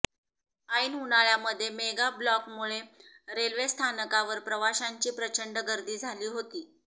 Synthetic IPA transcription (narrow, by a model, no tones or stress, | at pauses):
aiːnɦunaɭjaməd̪ʱːjemeɡablɔkmuɭeɾelʋest̪ʰanəkaʋəɾpɾəʋaɕaɲt͡ɕiːpɾət͡ɕəɳɖəɡəɾd̪iːd͡zʱaliːɦot̪iː